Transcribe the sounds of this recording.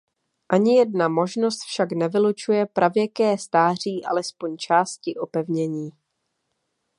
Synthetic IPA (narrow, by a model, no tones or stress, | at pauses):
ʔaɲɪjɛdnamo̞ʒno̞st̪fʃaknɛvɪlut͡ʃujɛpɾʔavjɛkɛːst̪aːr̝iːʔa̰lɛspo̞ɲt͡ʃaːscɪʔo̞pɛvɲɛɲiː